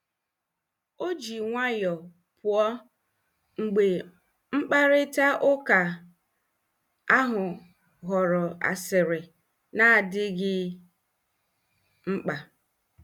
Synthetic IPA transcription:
o˦d͡ʒi˨ŋʷa˦jɔ˨ | pʊ˨ɔ˦ | ŋ̩˨ɡ͡be˨ | ŋ͡m̩˦k͡pa˦ɾɪ˦ta˦ʔʊ˦ka˨ | a˦ɦʊ˨ | ɣɔ˨ɾɔ˨a̰˨sɪ˨ɾɪ˨ | na˦a˨dɪ˦ɡɪ˦ | ŋ͡m̩˦k͡pa˨

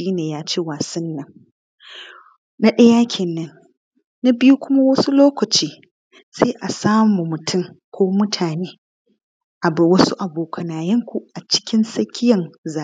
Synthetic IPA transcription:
iː˦neː˨jaː˦t͡ʃeː˦waː˨sɐ˦nːɐ˨ŋ | na˦ɗɐ˦jaː˦kʲʰɪ˨nːɐ˦n | na˦bɪ˦ju˦kʷʊ˦ma˦wɐ˦su˦loː˦kɐ˨t͡ʃiː˦ | seː˦ʔa˨saː˦mu˨mʊ˨tʰʊ˦˨ŋkʷoː˦mʊ˦tʰaː˨neː˦ | ʔa˨bɐ˨wɐ˦su˦ʔa˨boː˨kʰɐ˨naː˨jɐ˦ŋkʷu˨ʔa˨t͡ʃɪ̥˦kʲɪ˦nsɐ˦kʲʰɪ˦jɐ˨nzaː˨˦

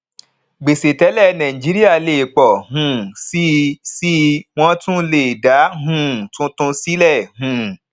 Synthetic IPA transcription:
ɡ͡be˨se˨tɛ˨˦lɛ˦˨nã˨ĩ˨d͡ʒi˨˦ɾi˦a˦˨le˨k͡pɔ˨ɦũ˨si˦si˦w̃ɔ̃˦tũ˦le˦˨da˨˦ɦũ˦˨tũ˦tũ˧si˦lɛ˦˨ɦũ˨

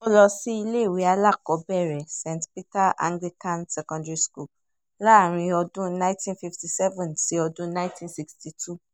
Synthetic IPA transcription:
ɔ˧lɔ˧sĩ˦i˧le˦˨wi˨˦a˧la˦˨kɔ˨˦bɛ˦˨ɾɛ˨sɛ̃˨ntpi˦ta˦ʔã̰˧ŋɡli˦kã˦nsɛ˦kɔ̃˧ndɾi˦sku˦˨ | la˦˨ɾ̃ĩ˧ɔ˧dũ˦nã˦tĩ˦nfi˦fti˨sɛ˦vɛ̃˨nsi˨˦ɔ˧dũ˦nã˦ĩ˦tĩ˦nsi˧ksti˨tʰu˦˨

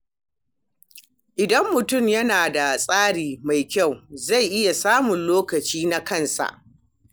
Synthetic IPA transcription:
ʔɪ˨dɐ˦mːʊ˨tʊ˦˨mjɐ˦naː˨da˨sʼaː˦ɽiː˨ma˨jkʲa˦˨wza˦˨jʔɪ˦ja˨saː˦mʊ˨nloː˦kɐ˨t͡ʃiː˦na˦kɐ˦˨nsa̰˨ʔ

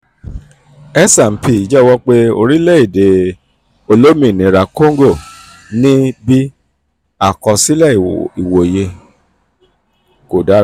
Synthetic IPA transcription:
ɛ˦sa˨m̩˨pʰi˨i˨d͡ʒɛ˦˨wɔ˧˦k͡pe˦o̰˧ɾi˦lɛ˦˨i˨de˨ | o˧lo˦mĩ˨nĩ˨ɾa˨ko˦ŋ˦ɡo˦˨ | nĩ˦bi˦ | a˦˨kɔ˧si˦lɛ˦˨i˨wo˨je˧ | ko˨da˦

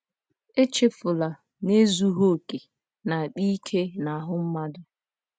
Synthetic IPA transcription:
e˦t͡ʃe˦fʊ˨la˨ | ne˦zu˦ɦo˦˨ke˨ | na˨a˨k͡pi˦kʰe˦na˨ɦʊ˦m̩˦ma˦dʊ˦

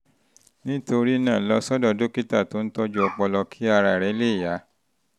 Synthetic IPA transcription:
nĩ˦to˧ɾi˦nãː˦˨lɔ˧˦sɔ˦dɔ˧do˦ki˦ta˦˨to˨˦n̩˦tɔ˦d͡ʒu˦ɔ˧k͡pɔ˧lɔ˧kʰi˦a˧ɾa˨ɾɛ˨˦le˦˨ja˨˦

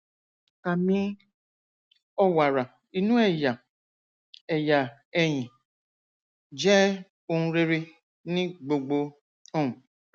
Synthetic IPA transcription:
ka˨mĩ˦ | ɔ˦wa˨ɾa˨ | i˨nũ˦ɛ˦˨ja˨ | ɛ˨ja˨ɛ˨jĩ˨ | d͡ʒɛ˦ | o˦nũ˦ɾe˦ɾe˧ | nĩ˦ɡ͡bo˨ɡ͡bo˧ | ɔ˦˨nũ˨

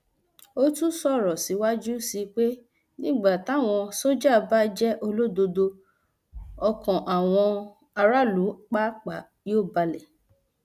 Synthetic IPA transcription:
o˦tũ˦sɔ˦˨ɾɔ˨si˨˦wa˦d͡ʒu˦si˧k͡pe˦ | nĩ˦ɡ͡ba˦˨ta˨˦˨w̃ɔ̃˧so˦d͡ʒa˦˨˧ba˦d͡ʒɛ˦ʔo˧lo˦do˧do˧ | ɔ˧kɔ̃˨ʔa˨w̃ɔ̃˧ | a˧ɾa˦lu˨˦k͡pa˦k͡pa˨ | joː˦˨ba˧lɛ˨

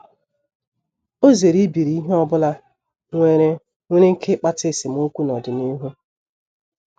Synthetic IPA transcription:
o˦ze˨ɾi˦bi˨ɾi˨˦i˦ɦe˦ɔ˦bʊ˦la˦ | ŋʷe˦ɾe˦ | ŋʷe˦ɾe˦ŋ̩˦kʰe˦k͡pa˦tɪ˦˨sɪ˨mu˦ŋ̩˦kʷu˦nɔ˨dɪ˨ni˦ɦu˦

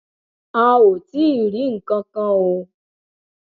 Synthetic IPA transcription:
a˦wo˨ti˦˨ɾi˨˦ŋ̩˨kã˧kã˦wo˧

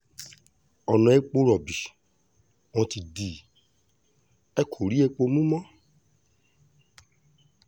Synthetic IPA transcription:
ɔ˨nɔ̃˧e˨˦k͡po˧ɾɔ˨bi˨ | ɔ̃˧ti˨di˨ | ɛ˦kʰo˨ɾi˦e˧k͡po˧mũ˦mɔ̃˦

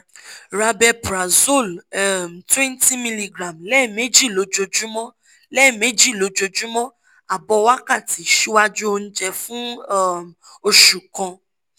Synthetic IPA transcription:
ɾa˧bɛ˧pɾa˨zo˦˨lɛ˦˨m̩˨twɛ̃˦nti˦mĩ˧li˧ɡɾã˨mlɛ˦˨me˦d͡ʒi˦˨lo˨˦d͡ʒo˧d͡ʒu˦mɔ̃˦ | lɛ˦˨me˨˦d͡ʒi˦˨lo˨˦d͡ʒo˧d͡ʒu˦mɔ̃˦ | a˨bɔ˧wa˦ka˦˨ti˨˦˨ʃi˦wa˦d͡ʒu˦o˧ñ̩˦d͡ʒɛ˧fũ˦˨ | o˧ʃu˨kɔ̃˧

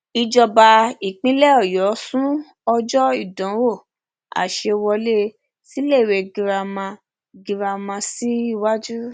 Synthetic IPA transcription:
i˧d͡ʒɔ˧ba˧i˨k͡pĩ˨˦lɛ˦ɔ˦˨jɔ˨˦sũ˦ | ɔ˧d͡ʒɔ˦i˦˨dɔ̃˨˦wo˦˨ | a̰˨ʃe˧wɔ˧le˦ | si˦le˦˨we˧˨ɡi˧ɾa˧mã˧ | ɡi˧ɾa˧mã˧si˦i˦˨wa˦d͡ʒu˦ɾ

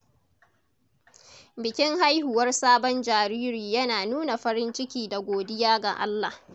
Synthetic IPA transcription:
bɪ˨kʲɪ˦ŋɦa˦jhʊ˨wɐ˦rsaː˦bɔ˦nd͡ʒaː˨ɾiː˦ɾiː˨jɐ˦naː˨nuː˦na˨ɸɐ˦ɾɪ˦nt͡ʃɪ˦kʲiː˨da˨ɡʷoː˨dɪ˦jaː˦ɡa̰˨ʔa̰˦lːa˨h

